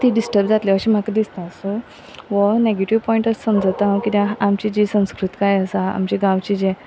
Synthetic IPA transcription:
t̪iɖisʈəɾb̚d͡zat̪ljaʋəɕiːm̤akad̪ist̪aəsu | ʋəneɡeʈiʋpɔiɳʈət͡ssəmd͡zt̪aɦkit̪aamt͡ɕid͡ʑisə̃w̃skɾut̪kajəsaa̰mt͡ɕiɡãʋt͡ɕid͡ʑe

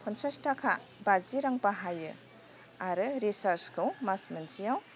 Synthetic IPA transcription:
pʰɔnsastakʰabaziɾaŋbaɦajɯ | aɾɯɾisaɾskʰɯwmasmansijaw

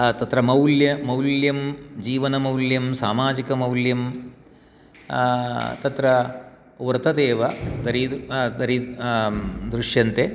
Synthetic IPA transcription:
t̪ɐt̪ɾɐmɐwljɐmɐwljɐmd͡ʒiːʋɐnɐmɐwljɐmsaːmaːd͡ʒikɐmɐwljɐm | t̪ɐt̪ɾɐ | ʋɐɾt̪ɐd̪eːʋɐd̪ɐɾid̪ɐɾi | d̪ɾuʂjɐnt̪e

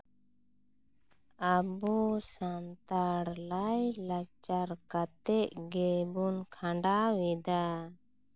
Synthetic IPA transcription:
abusant̪aɽlajlat͡ʃaɾkat̪ɛʔɡɛbunkʰãɳɖawɛd̪a

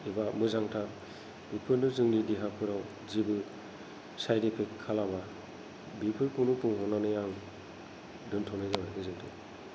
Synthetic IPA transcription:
ebamɯzaŋtʰa | bipʰɯɾnɯzɯŋnidiɦapʰɯɾaw | zibɯ | sajdipʰekʰːalaba | bipʰɯɾpʰɯnupʰɯŋɦɔnanɯjaŋ | dɯntʰɔnɯzabajɯzɯŋtʰɯ̰

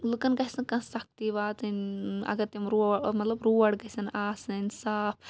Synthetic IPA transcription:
lukɐnɡɐɦisɐkɐ̃sɐk̚t̪iʋaːt̪ɐnɐ̰ɡɐɾt̪imɾumɐt̪lɐbɾuːɐɽɡɐɦisɐnaːsɐnʲsaːpʰ

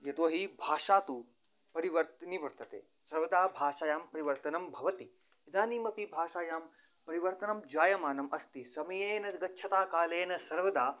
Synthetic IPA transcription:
jɐt̪uɐɦibʱaːʂaːt̪u | pɐɾiʋɐɾt̪niʋɐɾt̪ɐt̪ḛː | sɐɾʋɐd̪aːbʱaːʃaːjaːmpɐɾiʋɐɾt̪ɐnɐmbʱɐʋɐt̪i | id̪aːniːmɐpibʱaːʃaːjaːm | pɐɾiʋɐɾt̪ɐnɐmd͡ʒaːjɐmaːnɐmʔɐst̪isɐmɐjeːnɐɡɐtːʃʰɐt̪aːkaːleːnɐsɐɾʋɐd̪aː

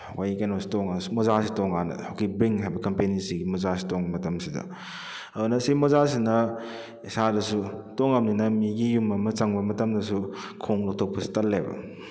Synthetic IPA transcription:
hɐkʰajkajnosi̥toŋasumozasitoŋanɐ̰awkibɾiŋɦajbɐkɐmpenisiɡimozas̬i̥toŋbɐmɐtɐmsidɐ̰ | ɐdunɐsiimozas̬inɐ | isadɐsutoŋɐmninɐmiɡijumɐmɐt͡ʃɐŋbɐmɐtɐmdɐsukʰoŋlok̚tʰok̚pɐsi̥tɐlːebɐ̰

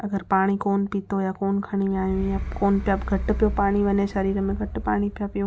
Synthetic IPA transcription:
ɐɡəɾpaːɽ̃ikoːnpiːt̪ojakoːnkʰɐɽ̃im̃aːjũjakoːnpjaɡʱɐʈ̆pɪjopaːɽ̃iʋɐɲẽʃɐɾiːɾəmẽɡʱɐʈpaːɽ̃ipjapijũ

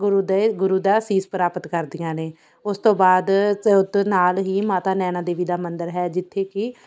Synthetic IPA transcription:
ɡʊɾuːd̪eɡʊɾuːd̪aːsiːspəɾaːpət̪kəɾd̪ijãːneː | ʊst̪õːbaːd̪t̪ːnaːlɦiːmaːt̪aːnɛːnaːd̪eːʋiːd̪aːmənd̪əɾɦɛːd͡ʒɪt̪ʰːeːkɪ

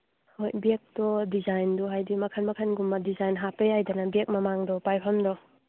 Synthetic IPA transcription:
hojbek̚dɔdizajndɔɦajdimɐkʰanmɐkʰanɡumːadizajnɦapejajdanabek̚mɐmaŋdɔpajpʰɐmdɔ

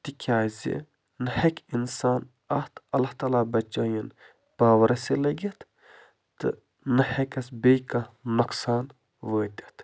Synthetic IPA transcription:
t̪ikʲʰaːzḭ | nɨhɐkʲinsaːn | ɐht̪ʰɐlːɐht̪aːlaːbɐt͡ʃːaːjin | b̥aːʋɐɾɐsilɐɡʲɐt̪ | t̪ɨ̰ | nɨhɐkɐsbejkɐnuksaːn | ʋəːt̪ʲɐ̥t̪ʰ

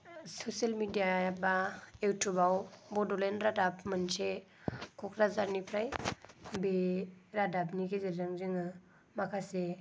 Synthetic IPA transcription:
sosalmidijaabaewtʰubawbɔdɔlenɾadapmɯnse | kʰɔkʰɾazaɾnipʰɾajbeɾadap̚nikʰezeɾzaŋziŋɯ | makʰase

